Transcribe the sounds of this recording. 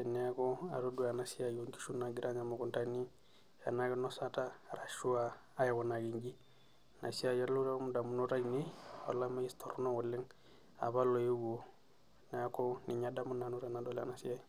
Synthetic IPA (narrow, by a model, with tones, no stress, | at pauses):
ɛ˨nɛ˨a˦kɔ˦a̰˨ɾo˦du˦a˨na˨si˦a˨jo˨ŋki̥˦ʃu˦na˨ɡi˦ɾʔa˦ɲa˨mo˨ku˨nta˦ni˦ | a̰˨na˦kɛ˦nɔ˦sa˦ta˦ɾa˨ʃu˦aː˨˦ | ja˨ɣɔ˨na˨ɡi˨ŋɡi˦ | na̰˨si˦a˦ja˦lu˦ɾa˦mu˨da˨mu˨nu˦ɾa˦ini˦ɔ̰˨la˦ma˦i˦st̪ʰɔ̰˨ɾnɔ˦wɔ˨lːe˦ŋ | a̰˨βa˦lɔ˨ju˦ɡo˨ | nɛ˨a˦kɔ˦ni˨ɲa˨˦da˦mu˦na˨nu˦ɾa˨na˨dɔ˦la̰˨na˨si˦a˦